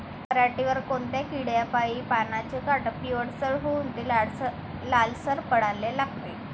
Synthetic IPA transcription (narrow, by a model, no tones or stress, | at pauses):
pəɾaʈiʋəɾkont̪jakiɽjapaipanat͡ɕekaʈəpioɽsəɭɦuunt̪il | lalsəɾpəɽ̤alːelaɡt̪e